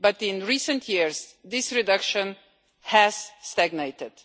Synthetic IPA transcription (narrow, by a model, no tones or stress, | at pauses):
bʌtɪ̃nɹisə̃ntʰjiɹzðɪsɹidʌkʃə̃n | hæz̥st̪æɡneɪt̪ɪd̥